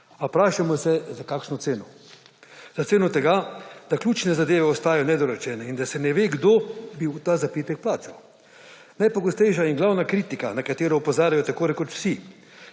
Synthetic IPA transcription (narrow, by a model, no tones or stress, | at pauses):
apɾaːʃamɔsɛzakaːkʃnɔt̪seːnɔ | z̥aseːnɔt̪ɛɡad̪̥aklʲuːt͡ʃnɛzad̪eːʋɛɔst̪aːjɔnɛd̪ɔɾɔt͡ʃɛːnɛind̪asɛnɛʋeːɡd̪obiwt̪aːzapiːt̪ɛk̚plaːt͡ʃɛl | najpɔɡɔst̪ɛjʃ̬ainɡlawnakɾiːt̪ikanakat̪eːɾɔupɔzaːɾʲjajɔt̪akoːɾɛkɔt̪w̥si